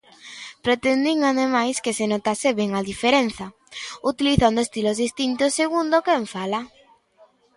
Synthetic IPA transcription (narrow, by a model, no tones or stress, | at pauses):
pɾet̪end̪iŋaðemajskesenot̪aseβeŋaðifeɾenθa | ut̪iliθand̪oest̪ilozðist̪int̪osːeɣund̪okeɱfala